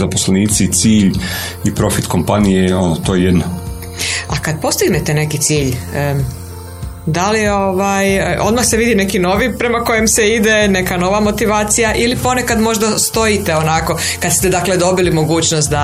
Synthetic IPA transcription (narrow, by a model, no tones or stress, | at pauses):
zapo̥sleniːt̪sit̪siːʎ | ipɾo̞fit̪ko̞mpanijeo̞not̪ojejed̪nak | akad̪̚po̞st̪iɡnet̪ene̞kit̪siːʎ | d̪alio̞ʋajo̞̰d̪maxseʋid̪ine̞kino̞ʋipɾe̞mako̞jemseid̪e̞ne̞kano̞ʋamo̞t̪iʋaːt̪sijaʔilipo̞ne̞kad̪mo̞ʒd̪ast̪o̞jit̪e̞onako̞ | kad̪st̪ed̪akle̞d̪o̞bilimo̞ɡuːt͡ɕnost̪̚d̪a